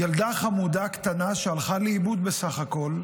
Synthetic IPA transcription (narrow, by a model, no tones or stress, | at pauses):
jald̪aχamud̪akt̪anaʃealχaleibud̪be̞saχako̞l